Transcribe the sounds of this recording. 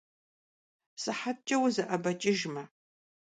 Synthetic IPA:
sɨħat̚t͡ʃʼɐwzɐʔɐbɐt͡ʃʼɪʒmɐ

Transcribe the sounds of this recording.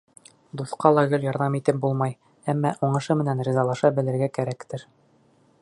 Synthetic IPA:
d̪uθqɑlˠɑɡɘljɒɾðɑmit̪ɘp̚bulˠmɑj | æmːæʔuɴɤ̆ʃɤmɘ̆nænɾʲizɑlˠɑʃɑbɘ̆lɘ̆ɾɡækæɾækt̪ɘɾ

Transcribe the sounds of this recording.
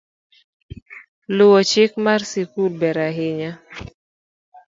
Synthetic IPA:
lʊwɔt͡ʃɪk̚marsikulbɛɾaɦɪɲa

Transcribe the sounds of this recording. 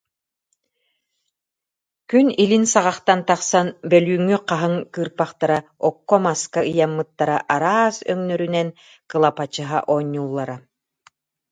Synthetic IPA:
kynilinsaʁɑχt̪ant̪aχsanbœlyːŋːyqaɦɯŋkɯːɾpaχt̪aɾaɔkːɔmaskaɯjamːɯt̪ːaɾaʔaɾaːsœ̰ŋnœɾynɛn | kɯlˠapat͡ɕɯɦa̰ʔɔːɲːulˠːaɾa

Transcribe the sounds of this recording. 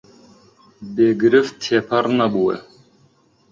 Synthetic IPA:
beɡɾɪft̪ʰepʰaɾnabuɛ̰

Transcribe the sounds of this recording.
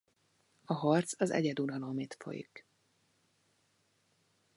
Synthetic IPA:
ɒɦɒrt̪sɒzɛ̰ɟɛd̪unɒlo̞meːt̪fo̞̰jḭk

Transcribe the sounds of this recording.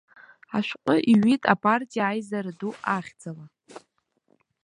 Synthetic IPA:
aʃʷᶣqʷʼʊʔiɥitʼa̰pʼartʼijaːjzaɾɨduaχʲd͡zala

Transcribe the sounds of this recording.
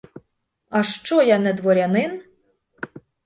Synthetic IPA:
ɐʃt͡ʃɔjanɛd̪ʋɔɾʲɐnɪn

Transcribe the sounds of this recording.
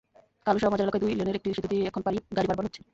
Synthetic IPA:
kaloʃɔɾamɔd͡ʑaɾlokad̪ujlioneɾekʈiʃit̪ːut̪iɛkʰonpaɾiɡaɾibaɾbaɾɦotːɕʰe̥

